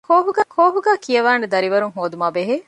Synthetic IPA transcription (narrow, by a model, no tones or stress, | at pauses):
kʰoːɦuɡkʰoːɦuɡæːkijɐʋaːned̪ɐɾiʋɐɾuŋɦoːd̪umaːbeɦeː